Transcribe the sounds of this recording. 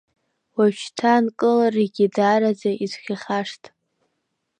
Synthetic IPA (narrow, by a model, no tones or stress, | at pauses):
waʃtʰankʼɨlareɡʲidaːɾad͡zaizχʲaχaʂtʰʼ